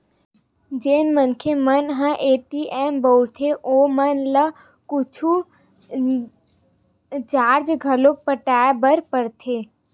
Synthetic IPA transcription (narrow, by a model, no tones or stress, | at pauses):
d͡ʒeːnmənkʰemənɦə̃ʔeːʈiʔɛːmbowɽt̪ʰeʔoːmənlə | kʊt͡ʃʰu | t͡ʃaːɾd͡ʒɡʱəlopəʈaːebəɾpəɾt̪ʰeː